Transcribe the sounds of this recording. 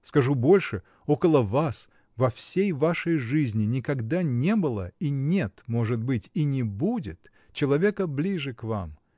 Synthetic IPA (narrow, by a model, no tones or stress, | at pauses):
skɐʐubo̞lʲʂɨ | o̞kəlˠəvas | vɐfsʲejvaʂəjʐɨzʲnʲɪnʲɪkɐɡd̪anʲe̞bɨlˠəinʲet̪mo̞ʐɨt̪̚bɨtʲinʲɪbudʲɪt̪ | t͡ɕɪlˠɐvʲe̞kəblʲiʐɨkva̰m